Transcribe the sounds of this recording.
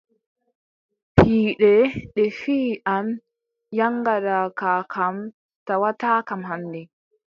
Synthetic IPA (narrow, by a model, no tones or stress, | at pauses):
hiːɗɛɗɛfiːʔam | jaŋɡaɾakakʰam | tawataːkamɦandɛ